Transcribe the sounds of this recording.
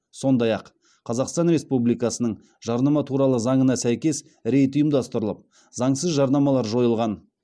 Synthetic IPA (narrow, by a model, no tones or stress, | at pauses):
so̞nd̪ɑjɑqʰ | ɑzɑqst̪ɑnɾe̞spublijkɑsənəɴ | ʒ̥ɑɾnɑmɑt̪ʰuɾɑlˠəzɑɴənɑsæjkʲe̞s | ɾe̞jt̪ʊjəmd̪ɑst̪əɾəlˠəp̚ | zɑɴsəzʒɑɾnɑmɑlˠɑɾʒo̞jəlˠʁɑn